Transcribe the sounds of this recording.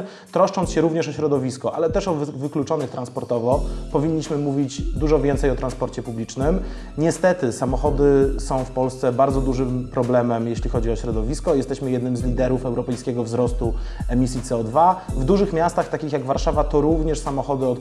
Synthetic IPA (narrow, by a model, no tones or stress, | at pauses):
t̪ɾɔʂt͡ʂɔnsɕɛɾuvɲɛʂɔɕɾɔd̪ɔvʲiskɔʔalɛt̪ɛʂɔvvɘklut͡ʂɔnɘxt̪ɾanspɔɾt̪ɔvɔpɔvʲiɲːiɕmɘmuvʲit͡ɕd̪uʐɔvʲjɛnt̪sɛjɔt̪ɾanspɔɾt͡ɕɛpublʲit͡ʂnɘm | ɲɛst̪ɛt̪ɘsamɔxɔd̪ɘsɔ̃w̃fpɔlst̪sɛbaɾd̪zɔd̪uʐɘmpɾɔblɛmɛmjeɕlʲixɔd͡ʑiɔɕɾɔd̪ɔvʲiskɔjɛst̪ɛɕmɘjɛd̪nɘmzlʲid̪ɛɾufɛwɾɔpɛjskʲɛɡɔvzɾɔst̪uɛmʲisʲjit̪sɛɔd̪vavd̪uʐɘxmʲjast̪axt̪akʲixjaɡvaɾʂavat̪ɔɾuvɲɛʂsamɔxɔd̪ɘɔt̪